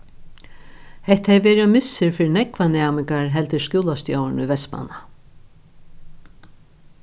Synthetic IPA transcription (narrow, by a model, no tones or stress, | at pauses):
hɛht̪hɛʋɛːɾiɔmɪsːɪɾfɪːɾɪnɛkvanaːmɪŋkaɹɦɛlt̪ɪskuːlast̪jawnuʋɛsma̰na